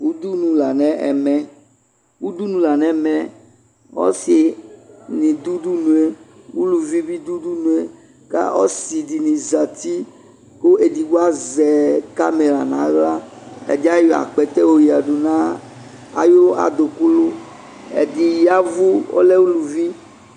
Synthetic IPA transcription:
wu˦d̪u˦nũ˨la˨nɛ̃˦ʔɛ̰˨mɛ̃˨ | wu˦d̪u˦nũ˨la˨nɛ̃˨˦˨mɛ̃˨ | wɔ̰˦si˨ | nĩ˨d̪u˦du˦nũ˨e˦ | wu˦lu˨vi˦bi˦d̪u˦du˦nũ˨e˦ | ka̰˦ɔ̰˦si˨di˨nĩ˨za˨t̪i˦ | ko˦ʔe˨di˨wu˦a˦zɛ˨ka̰˦me˨la˨nã̰˨˦ɣla˦ɛ̰˨di˦a˦jɔ˨a̰˨k͡pɛ˨t̪ɛ˦wo˦ji˨a˨ɖu˨nã˦ | a̰˨jo˦a̰˨d̪o˨ku˦lu˦ | ḛ˨d̪i˨ja˦˨vu˦wo̰˦lɛ˦wu˦lu˨vi˦

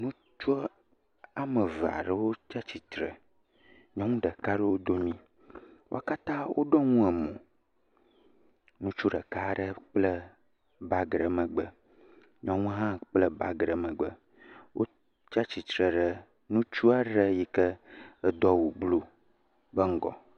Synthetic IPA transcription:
nũ˦ | t͡ʃu˦ | a˨mə˨va̰˨ɖə˦wo˦t͡ʃa˦t͡ɕi˨t̪ɾə̰˨ | ɲɔ̃˦ŋũ˦ɖə˨ka˦ɖɛ˦wo˦d̪o˦mĩ˦ | wo˦a˦ka˦t̪ã˦wʔo̰˦ɖɔ˦ŋũ˦ɛ˨mõ̰˨ | nũ˦t͡ʃu˦ɖə˨ka˦ɖə˦k͡plə˦ | ba˦ɡɾə˨mə̃˨ɡ͡bə˦ | ɲɔ̃˨ŋũ˦ɦã˦k͡plə˦ba˦ɡɾə˨mə̃˨ɡ͡bə̰˦ | wʔo̰˦ | t͡ʃa˦t͡ɕi˨t̪ɾə˨ɖə˦ | nũ˦t͡ʃu˦a˦ɖə˦ji˦kə˦ə˦d̪ɔ˦wu˨blo˦ | bə˦ŋ̩˦ɡɔ̰˨

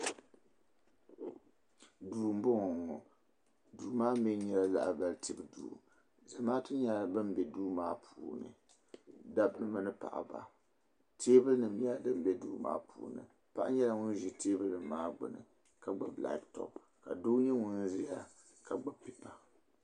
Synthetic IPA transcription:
duː˨m̩˦bʊ˦ŋɔ˨ŋɔ˨ | duː˨maː˦mi˦ɲɛ˦la˦la̰˨ʔa˨ba˨ltʰi˦˨bɨ˨dṵː˨ | za˨maː˦tɨ˦ɲa˦la˦bɨ˦m˦bɛ˨duː˦maː˦pʰuː˨nɨ̰˨ | da˦bnɨ˦ma˦nɨ˦pa̰˨ʔa̰˨ba̰˨ | tʰeː˦bɨ˦lnɨ˨m˨ɲ˦dɨ˦m˨bɛ˨duː˦ma̰ː˦pʰṵː˨nɨ̰˨ | pa˦ʔa˦ɲɛ˦la˦ŋʊ˦n˦ʒi˨teː˦bɨ˦lnɨ˨mː˦aː˦ɡ͡bɨ̰˨nɨ̰˨ | ka˨ɡ͡ba˦bla̰˨˦ktɔ̰˨p̚ | ka̰˨do˦ɲɛ˦ŋʊ˦n˦zɪ˦ja˦ | ka˨ɡ͡ba˦pi˨pa˨

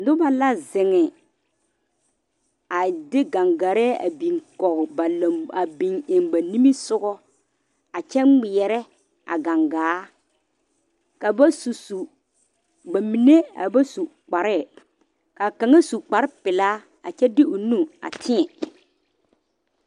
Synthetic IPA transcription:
dʊ˦ba˦la˦zɪ˨ŋɪ˨ | a˨dɪ˦ɡa˨ŋɡa˨ɾɛː˦a̰˨bi˨ŋkɔ˨ɣba˨la˨a˨bi˨ŋɪ˨ŋba˨ni˦mi˦sʊ˦ɡɔ˦ | a˨t͡ʃɛ˦ŋ͡mɪ˨jɛ˨ɾɛ˦ | ʔa̰˨ɡa˨ŋɡaː˨˦ | ka˨ba˦su˨su˨ | ba˨mi˨ne˦a̰˨ba˦su˨k͡pa˨ɾɛ˦˨ | ka˨ka˨ŋa˦su˨k͡pa˨ɾɪ˦pɪ˨la˦ | a˨t͡ʃɛ˦dɪ˦ʊ˨nu˦a̰˨tʰɪ˦ɛ˨

